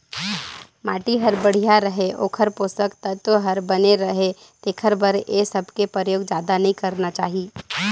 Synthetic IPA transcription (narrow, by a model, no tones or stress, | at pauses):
maːʈiɦɐɾbəɽ̤ijaɾəɦeʔo̰ːkʰəɾpoːsəkt̪ət̪oɦɐɾbɐneɾɐɦe | t̪eːkʰəɾbəɾjesɐbʱkepəɾjoːɡd͡ʒjaːd̪anɐɦĩkɐɾnat͡ʃaːɦie